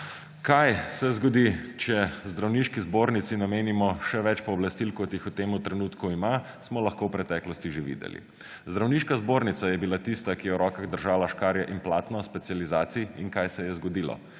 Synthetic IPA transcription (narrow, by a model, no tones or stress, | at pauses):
kajsɛzɡɔd̪it͡ʃɛzd̪ɾawniʃkizboːɾnit̪sinameːnimɔʃɛʋɛt͡ʃpɔːblast̪ilkɔt̪jixut̪eːmut̪ɾɛnuːt̪kuima | smɔlɐxkowpɾɛt̪ɛklɔst̪iʒeʋḭːd̪ɛ̰lḭ | zd̪ɾawniːʃkazboːɾnit̪sajɛbilat̪ist̪akijɛwɾɔːkaɣd̪əɾʒaːlaʃkaːɾjɛʔinplaːt̪nɔspɛtsializaːt̪siiŋkajsɛjɛzɡɔd̪iːlɔ̰